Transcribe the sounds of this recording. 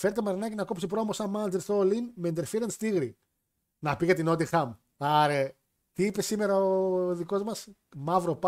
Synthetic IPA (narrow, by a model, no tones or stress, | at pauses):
feɾt̪emɐɾinɐcinɐkopsipɾo̞mosɐnmɐnnd̪elθoːlinmend̪eɾfiɾɐnst̪iɣɾi | nɐpiɣet̪ino̞t̪ixɐm | ɐɾe | t̪iipe̞sime̞ɾɐoðiko̞zmɐs | mɐvɾo̞pɐ